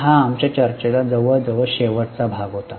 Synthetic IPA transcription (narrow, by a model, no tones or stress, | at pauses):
ɦaːmt͡ɕjat͡ɕəɾt͡ɕelad͡zəʋəɭd͡zəʋəɭɕeʋəʈt͡sabʱaɡɦot̪a